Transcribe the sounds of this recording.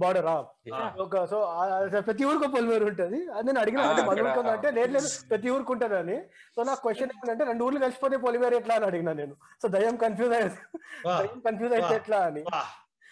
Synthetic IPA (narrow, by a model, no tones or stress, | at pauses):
baːɖɐɾaːm | okɐsoːpɾɐt̪̬iuːɾuk̬op̬olmeːɾuɳʈud̪iɐne̞ːnɐɽiɡinaɐɳʈemɐnɐuɳʈund̪ɐɳʈeːleːɾle̞ːd̪upɾɐt̪̬iuːɾukuɳʈɐd̪aːnisoːnaːkukʋesʈt͡ʃːɐnemɐnɐɳʈeɾe̞ɳɖuːɾlukɐlisi̥pot̪eːp̬olimeːɾɛʈlaːniɐɽiɡinaːne̞ːnusoːd̪ɐjɐmkɐnpʰjuːzɐjɐd̪ɐjɐmkɐnpʰjuːzɐj̪eʈlaːɐni